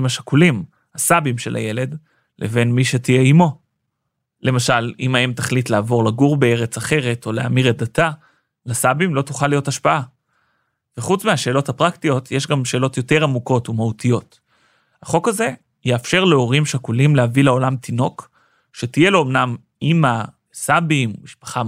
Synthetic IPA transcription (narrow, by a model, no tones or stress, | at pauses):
maʃakulim | hasabimʃe̞la̰je̞le̞d | lʔeve̞nmiʃe̞tijeimo̞ | le̞maʃalimaemt̪aχlit̪laːvo̞ʁlaɡuʁbee̞ʁet͡saχe̞ʁe̞tʰo̞lea̰miʁedata | lasabimlo̞tuχalijo̞taʃpaʔa | veχut͡smeaʃe̞ːlo̞thapʁaktijo̞t̪ʰjeʃɡamʃe̞ːlo̞t̪jo̞te̞ʁamuko̞tumaut̪ijo̞t | haχo̞kaze̞ | jeːfʃe̞ʁleo̞ʁimʃakulimleavileo̞lamt̪ino̞k | ʃe̞tije̞lo̞ːmnam | ima | sabimːiʃpḁχa